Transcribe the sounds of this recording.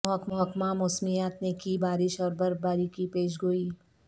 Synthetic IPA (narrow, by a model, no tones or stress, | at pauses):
ɦəkmɔɦkmamʊsmijaːt̪nekibaːɾɪʃɔːɾbəɾbaːɾikipeːʃ̬ɡoiː